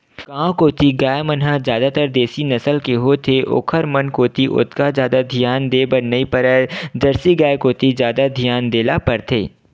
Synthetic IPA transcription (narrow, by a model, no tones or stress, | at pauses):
kãːkoːt̪iɡaːjmənɦazjaːd̪at̪əɾd̪eːsinɐsəlkeɦot̪ʰeʔo̰ːkʰəɾmɐnkoːt̪iʔʊ̰t̪kazjaːd̪ad̪ʱijaːnd̪eːbənɐipəɾɛd͡ʒɐɾsiɡaːekoːt̪izjaːd̪ad̪ʱijaːnd̪eːlapɐɾt̪ʰeː